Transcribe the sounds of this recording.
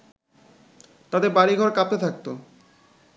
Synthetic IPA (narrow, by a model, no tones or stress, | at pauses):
t̪ad̪eɾbaɾiɡʱɔɾkap̚t̪et̪ʰak̚t̪o